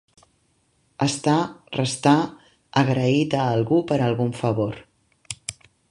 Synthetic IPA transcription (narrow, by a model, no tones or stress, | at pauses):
əst̪arəst̪aː | ɣɾəit̪əːlˠɣupəɾalˠɣuɱfəβoɾ